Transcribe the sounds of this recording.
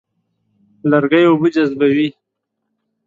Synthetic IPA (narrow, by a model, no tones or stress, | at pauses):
laɾɡajobud͡ʒazbawi